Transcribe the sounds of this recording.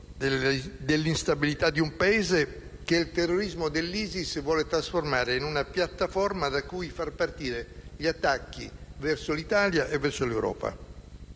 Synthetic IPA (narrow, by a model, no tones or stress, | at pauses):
d̪elːinst̪abilit̪ad̪iumpaeːzekelt̪erːoɾizmod̪elːiːzisvwɔːlet̪ɾasformaːɾeinunapjat̪ːafɔrmad̪akujfarpart̪iːɾeʎiat̪ːakːḭvɛrsolit̪aːljaʔevːɛrsolewɾɔ̰ːpa̰